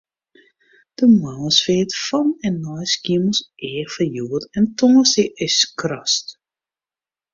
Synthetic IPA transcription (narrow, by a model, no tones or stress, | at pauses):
d̥əmawsfeːtfɔnɛnːɔjskiəməlˠsʔeːfəjuətɛntʰɔŋəsɪʔɪskrɔst